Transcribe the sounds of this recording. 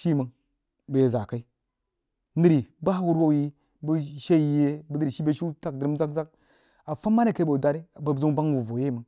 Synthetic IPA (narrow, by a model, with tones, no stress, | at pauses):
ʃi˦˨mə˨ŋ | be˨je˨za˨ka˦i˦ | nɨ˦ɾi˨ba˦wu˦ɾwo˦˨ji˦ | bə˦ʃe˦ji˦je˦bə˦ni˦ɾi˨ʃi˦be˦ʃu˦ta˦k̚də˨ɾi˦mza˦kza˦k̚ | a˨fa˦mːa˦ne˦˨ka˦bo˨da˨ɾi˦˨bə˨zu˦ŋba˦ŋwu˨vo˨je˦˨mə˨ŋ